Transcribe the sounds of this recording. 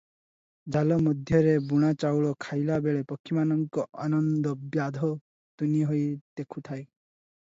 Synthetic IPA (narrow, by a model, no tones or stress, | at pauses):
d͡ʒalɔmɔd̪ʱjɔɾebuɽ̃at͡ʃawɭɔkʰajlabeɭepɔkʰːimanɔŋkɔʔanɔnd̪ɔbjad̪ʱɔ | t̪uniɦojd̪̥ekʰut̪ʰae